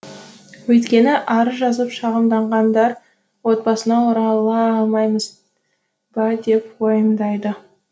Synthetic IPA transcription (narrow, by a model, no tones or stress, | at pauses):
wɵjt̪kʲe̞nɪʔɑɾəʒɑzəpʃɑʁəmd̪ɑɴʁɑnd̪ɑɾ | wo̞t̪̚bɑsənɑwoɾɑlˠɑɑlˠmɑjməz | bɑd̪e̞p̚wojəmd̪ɑjd̪ə